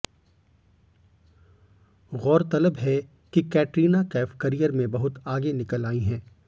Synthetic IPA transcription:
ɣɔːɾt̪ɐləbɦɛ | kikɛːʈɾiːnakɛːfkɐɾijəɾmẽbɐɦʊt̪aːɡenɪkəlaːiɦɛ̃ː

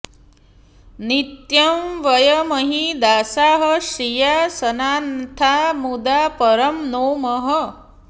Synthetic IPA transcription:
nit̪jɐmʋɐjɐmɐɦid̪aːsaːɦəʃijasɐnaːnt̪ʰamud̪apɐɾɐmnoːmɐɦə

